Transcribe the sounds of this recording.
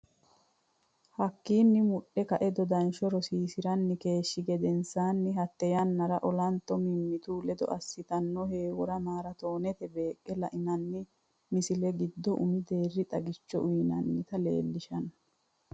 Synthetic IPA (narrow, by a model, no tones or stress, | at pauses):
hɐkːiːnːɪmʊɗːɛkɐʔɛd̪ɔd̪ɐnʃɔɾɔsiːsɪɾɐnːɪke̞ːʃːɪɡɛd̪ɛnsaːnːɪɦɐt̪ːɛjɐnːɐɾɐʔɔlɐnt̪ːɔmɪmːɪt̪uːlɛd̪ɔ̰ʔɐsːɪt̪ɐnːɔhe̞ːwɔɾɐmaːɾɐt̪o̞ːnɛt̪ɛbe̞ːkʼːɛlɐʔɪnɐnːɪ | mɪsɪlɛɡɪd̪ːɔʔʊ̰mɪd̪e̞ːrːɪt̪ʼɐɡɪt͡ʃːɔʔʊjɪnɐnːɪt̪ɐlḛːlːɪʃɐnɐ